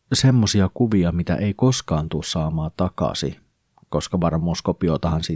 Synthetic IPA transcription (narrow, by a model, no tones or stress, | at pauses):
se̞mːosiɑkuʋiɑmit̪æ̰ʔeiko̞skɑːnt̪ussɑːmɑːt̪ɑkɑ̰sḭ | ko̞skɑʋɑrmːuːskopiot̪ɑhɑnsi